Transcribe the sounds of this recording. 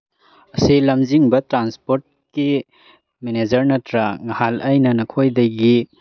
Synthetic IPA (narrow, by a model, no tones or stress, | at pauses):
ɐsilɐmziŋbɐtɾanspoɾt̚ki | mened͡ʒɐɾnɐtɾɐŋɐhalɐjnɐnɐkʰojdɐjɡi